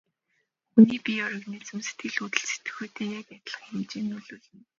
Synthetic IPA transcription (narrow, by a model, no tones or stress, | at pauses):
uniːpʲiɔɾə̆ɣneːt͡sɘ̆mse̥t̪̚ɡɘ̆ɮut̪ɘ̆ɬse̥t̪ɘ̥̆xoːt̪eːjakat̪ə̆ɮə̥̆χxamt͡ɕiːnːuɮuːɮɘ̆n